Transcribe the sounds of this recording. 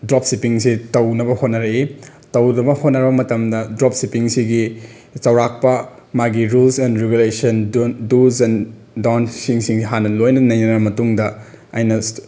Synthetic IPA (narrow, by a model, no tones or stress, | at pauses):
dɾop̚sipiŋsitɐwnɐbɐhot̚nɐɾɐi | tɐwnɐbɐhot̚nɐɾbɐmɐtɐmdɐdɾop̚sipiŋsiɡi | t͡ʃɐwɾak̚pɐ | maɡiɾulsɛndɾeɡulesɐndusɛn | dansiŋsiŋiɦanːɐlojnɐnɐjnɐnɐmɐtuŋdɐ | ɐjnɐ